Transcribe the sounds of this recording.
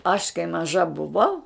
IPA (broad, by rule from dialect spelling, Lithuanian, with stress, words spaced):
ɐʃ kɐɪ mɐˈʒɐ bʊˈʋɐʊ